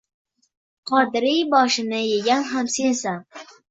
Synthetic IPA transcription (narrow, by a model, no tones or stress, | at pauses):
qʰɒd̪ɾijbɒʃɪnɪjeɡʲanɦamsensa